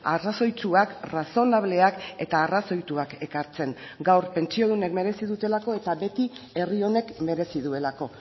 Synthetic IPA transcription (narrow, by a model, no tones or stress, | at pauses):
araso̞jt͡suakraso̞naβ̞le̞ake̞t̪aːraso̞jt̪uake̞kaɾt͡se̞ŋɡawɾpe̞nt͡ʃio̞ð̞une̞kme̞ɾe̞siðut̪e̞lako̞e̞t̪aβe̞t̪ie̞rio̞ne̞kme̞ɾe̞siðue̞lako̞